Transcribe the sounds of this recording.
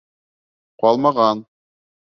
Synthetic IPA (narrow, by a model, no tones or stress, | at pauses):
qɑlˠmɑʁɑn